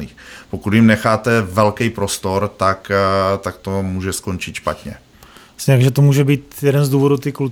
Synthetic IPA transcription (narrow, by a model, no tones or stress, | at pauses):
niːxpokut̪jɪmnɛxaːt̪ɛvɛlkɛjpɾo̞st̪o̞ɾt̪akt̪ak̚t̪o̞muːʒɛskont͡ʃɪt̪ʃpat̪ɲɛ̰ | sɲɛɾakʒɛt̪omuːʒɛbiːt̪jɛdɛnzduːvodut̪ikul